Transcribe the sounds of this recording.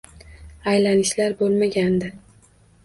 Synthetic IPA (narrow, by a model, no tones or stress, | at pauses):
ajlanɪʃlaɾbolˠmaɡʲand̪ɪ